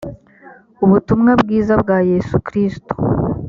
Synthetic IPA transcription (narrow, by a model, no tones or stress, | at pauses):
uβutumŋabɡiːzabɡaːje̞sukɾisto̥